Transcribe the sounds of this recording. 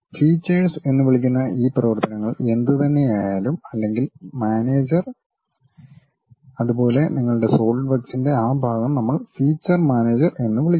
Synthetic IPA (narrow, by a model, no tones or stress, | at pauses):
fiːt͡ɕːɐrse̞nːɨʋiɭik̬ʲːunːɐʔiːprɐʋɐrt̪ɐnɐŋːɐɭe̞nd̪ɨt̪ɐnːe̞jajaːlumɐlːe̞ŋɡilmaːne̞ːd͡ʑɐr | ɐðubo̞ːle̞niŋːɐɭuɽe̞so̞ːɭɖʋɐksinde̞aːbʱaːɡɐmnɐmːɐɭfiːt͡ɕːɐrmaːneːd͡ʑɐre̞nːuʋiɭikʲː